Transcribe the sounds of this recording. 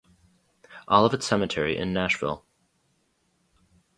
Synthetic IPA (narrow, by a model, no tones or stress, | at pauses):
ʔɔlˠʌvɨtsɛmɨtʰɛɹiʔɨ̰̃nːæʃvɪ̰lˠ